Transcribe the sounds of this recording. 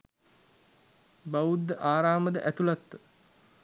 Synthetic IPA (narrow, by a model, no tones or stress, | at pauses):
baʋud̪ːəʔaːɾaːməd̪əʔæt̪ulat̪ːə